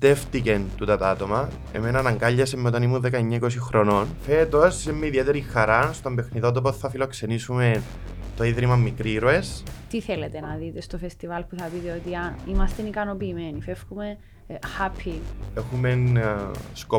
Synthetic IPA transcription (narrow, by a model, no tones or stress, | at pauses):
t̪eft̪ice̞nt̪ut̪ɐt̪ɐt̪o̞mɐ | ḛmenɐnɐŋɡɐʎːɐsemːeo̞t̪ɐnimunðekɐeɲːaiko̞s̬ixɾononfe̞t̪o̞semːiɐiðiet̪eɾixːɐɾast̪o̞mbe̞xniðot̪̬op̬osθɐfilo̞kse̞nisume̞n | t̪o̞iðɾimɐmːikɾiɾoe̞st̪iθelet̪enɐðit̪est̪ofest̪ivɐlpuθɐpit̪eot̪iɐimɐst̪enikɐnopiːmenifefxume | xapʰiexumen | sko